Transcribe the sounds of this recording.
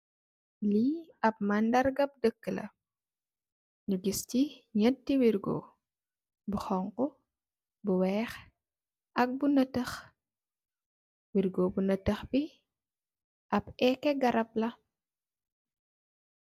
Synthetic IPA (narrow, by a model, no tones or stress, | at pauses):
liɐp̚mandɐrɡɐp̚dəkːəlɐ̰ | ɲuɡisciɲətːiwirɡo̰ː | buxɔŋku | buwɛːx | ʔɐk̚bunətəx | wirɡoːbunətəxbi | ʔɐpɛkːɛɡɐɾɐp̚lɐ